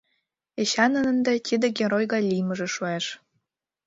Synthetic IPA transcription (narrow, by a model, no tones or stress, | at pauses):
eɕɑnə̆nə̆nd̪æt̪ʲid̪ɘ̆ɡʲeɾojɡɑlʲijmə̆ʒĕʃueʃ